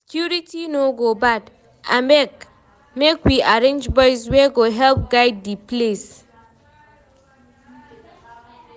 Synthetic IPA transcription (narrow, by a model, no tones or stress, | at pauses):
skjuɹitinoɡobad | ã̰mbɛk | mekwiaɹẽnd͡ʒbɔjswɛɡoɦɛlp̚ɡaɪd̚ːiples